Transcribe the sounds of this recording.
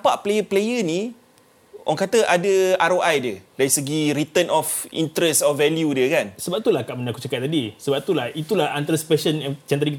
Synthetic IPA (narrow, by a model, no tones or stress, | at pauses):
napaʔplejəplejəni | ʔɔ̰ŋkat̪əʔadəaɾoʔajdjədaisəɡiɾit̪ənʔɔfḭnt̪ɾɛsɔvɛljudiəkansəbap̚t̪ulahkaʔmənaku̥t͡ʃakat̪̚ːadisəbap̚t̪ulahit̪ulahant̪aɾasə̥pɛsənt͡ʃɛnt̪̬ɾiŋkit̪